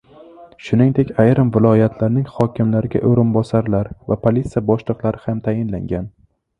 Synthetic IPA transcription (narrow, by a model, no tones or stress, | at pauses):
ʃʊnɪŋd̪e̞kʲajɾɪmvɪlˠɒjat̪ʰlaɾnɪŋhɒkʲɪmlaɾɪɡʲa̰ʔoɾɪnbɒsaɾlaɾvapʰolʲit̪sɨjabɒʃlˠɨqlˠaɾɪhamt̪ʰajɪnla̰ŋɡʲan